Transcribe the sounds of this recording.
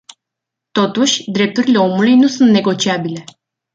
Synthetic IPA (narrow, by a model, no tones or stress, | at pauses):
t̪o̞t̪uʃʲd̪ɾe̞p̚t̪uɾile̞o̞mulujnusunt̪ne̞ɡo̞t͡ʃiabile̞